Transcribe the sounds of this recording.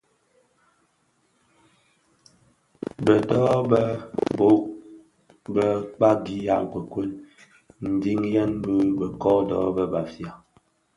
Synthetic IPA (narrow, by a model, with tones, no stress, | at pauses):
bə˨dɔː˦bə˦bo˦ | bə˦k͡pa˦ɡi˨˦ja̰˦˨ʔkwə˨kwə˦l | n̩˨di˦ŋjɛ˦nbə˦bə˨kɔ˦dɔ˦bə˦ba˨fja˨